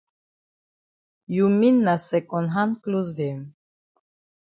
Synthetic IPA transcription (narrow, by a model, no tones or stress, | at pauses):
juminːasɛkʼɔnɦankluzd̪em